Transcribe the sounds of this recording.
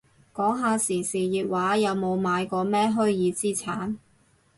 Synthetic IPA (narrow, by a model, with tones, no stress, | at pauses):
kɔː˨˥ŋɦaː˧siː˨˩siː˨˩jiː˨t̚waː˨˥jɐ˨˧wmo˨˧wmaː˨˧jkɔː˧mɛː˥ɦɵ˥ɥjiː˨˧t͡siː˥t͡sʰaː˨˥n